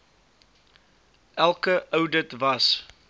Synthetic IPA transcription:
ʔælˠkəʔəwdətvɐs

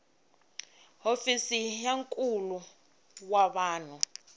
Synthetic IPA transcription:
hofisijaŋkʼulu | waɓaːn̤u

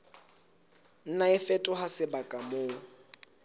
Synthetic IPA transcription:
n̩naɪfɛtʼʊhasɪbakʼamoː

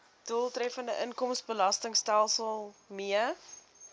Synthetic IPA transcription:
d̥ulˠtrɛfəndəʔənkɔmsbəlɐstəŋstælˠsəlˠmiə

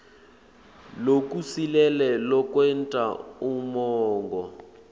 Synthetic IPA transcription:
lok̬ʼusilɛlɛlɔk̬wɛntʼaumɔːŋɡɔ

